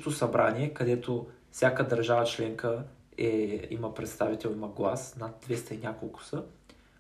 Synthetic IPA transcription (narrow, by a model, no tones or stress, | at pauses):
t̪osɐbɾʔanʲiɛkɐd̪ɛt̪o | fsʲjakəd̪ɐɾʒavət͡ʃlɛŋkəɛḭməpɾɛt̪st̪avit̪ɛlˠiməɡlˠasnad̪̚d̪vɛst̪ɐinʲjakolˠkʊ̥sə